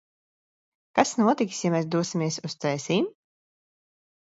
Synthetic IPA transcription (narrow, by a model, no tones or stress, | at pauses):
kasnuɔt̪ikʲi̥sjamɛːs̬d̪uɔsimʲiɛsust̪sɛːsiːm